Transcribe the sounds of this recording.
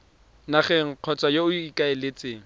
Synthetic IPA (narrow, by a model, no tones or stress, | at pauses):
naχɛŋ̩q͡χʰɔt͡sʼajoʊikʼaɪlet͡sʼeːŋ̩